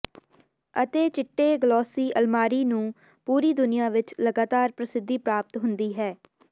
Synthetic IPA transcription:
ət̪eːt͡ʃɪʈːeːɡəlɔːsiːʔəlmaːɾiːnũː | puːɾiːd̪ʊnɪjãːʋɪt͡ʃləɡaːt̪aːɾpɾəsɪd̪ːiːpɾaːp̚t̪ɦʊnd̪iːɦɛː

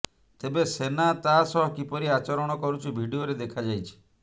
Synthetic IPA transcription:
t̪ebesenat̪asɔɦɔkipɔɾiat͡ʃɔɾɔɽ̃ɔkɔɾut͡ʃʰibʱiɖioɾed̪ekʰad͡ʒajt͡ʃʰi̥

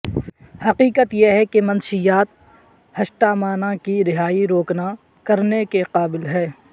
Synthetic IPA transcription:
hɐqiːqət̪jeɦɛkemɐ̃nʃijaːt̪̚ | hɐʃʈaːmaːnãkiɾɪɦaːiɾoːkna | kɐɾnekeqaːbɪlɦɛː

